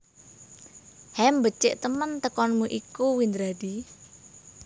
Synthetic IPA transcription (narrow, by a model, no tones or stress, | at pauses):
hɛmbət͡ʃɪʔt̪əmənt̪əkɔnmuʔikuwind̪ɾaɖ̥i